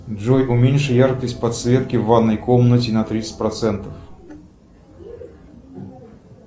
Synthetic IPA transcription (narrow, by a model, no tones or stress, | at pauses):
ʐojʊmʲenʲʂɨjarkəsʲtʲpɐt̪svʲet̪̚kʲɪvad̪nːəjkomnətʲɪnɐt̪ɾʲit̪sɨ̥tʲpɾɐt̪sɛnt̪əf